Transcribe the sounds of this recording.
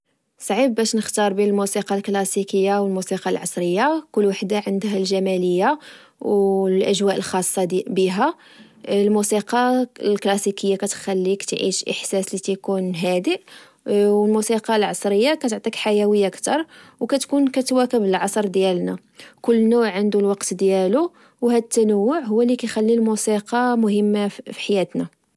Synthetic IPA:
sˤʕibːæʃnəxt̪ɑɾˤbinəlmusiqɑlklɑsikəjːawəlmusiqɑlʕɑ̰sˤɾəjːakʊlːwaħd̪aʕənd̪ɦælʒæmæləjːa | wlʔæʒwæʔəlxɑsˤːɑbiɦæ | lmusiqɑlklɑsikəjːakæt̪xælːikt̪ʕḭʃʔə̰ħsæslit̪ækunɦæd̪əʔ | wəlmusiqɑlʕɑsˤɾəjːakæt̪ʕt̪ˤikħajæwəjːaəkt̪ɑɾˤwkæt̪kunkæt̪wækəbəlʕɑsˤɾˤd̪jælnæ | kʊlːnʊʕʕənd̪ulwɑqt̪d̪jælu | whæd̪ət̪ːænəwːʊʕɦʊwːælikæjxælːilmusiqɑmʊɦəmːafi̥ħajæt̪næ

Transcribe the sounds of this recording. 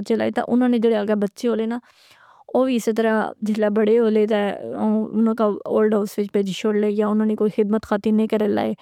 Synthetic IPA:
tːt͡ʃela̰ːet̪ã̰ʔʊnãːnẽːd͡ʒeːɽeaɡabətːʃeɦoːleːnaː | oːʋiːɪset̪əɾaːd͡ʒɪslaːbəɽeɦoːleːt̪̬ɛ | ʊnãːkao̰ːlɖaːʊsʋɪt͡ʃpeːd͡ʒʃʰoːɽleːjaːʊnãːnekoːiːxɪd̪mət̪xʰaːt̪inẽĩːkəɾela̰ːeː

